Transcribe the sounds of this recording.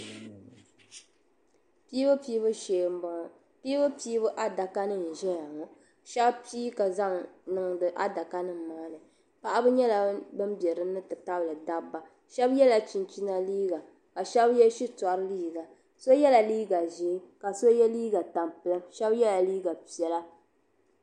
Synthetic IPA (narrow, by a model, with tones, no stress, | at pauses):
pi˦bɨ˦piː˦bɨ˦ʃeː˨m˦bɔ˦ŋɔ˨ | piː˦bɨ˦piː˦bɨ˦ʔa˦da˨ka˦nɨ˦n̩˨ʒɛ˦ja˨ŋɔ˨ | ʃɛ˦bpiː˦ka˨za˦ŋnɨ˦ŋ˦dɨ˦ʔa˦da˨ka˦nɨ˦m̩˨maː˦nɨ˨ | pa˦ʔa˦bɨ˦ɲɛ˦la˨bɨ˦mbɛ˨ɾɨ˨˦nɨ˦tɨ˨ta˦blɨ˨da˦bːa˨ | ʃɛ˦bjɛ˦la˨t͡ʃi˨nt͡ʃi˦na˦liː˦ɡa˨ | ka˨ʃɛ˦bjɛ˦ʃi˦ta˨ɾɨ˦liː˦ɡa˨ | so˦jɛ˦la˨liː˦ɡa˨ʒe˦ka˨so˦jɛ˦liː˦ɡa˨ta˨mpɨ˦lɨ˦mʃɛ˦bjɛ˦la˨liː˦ɡa˨pi˨ɛ˦la˦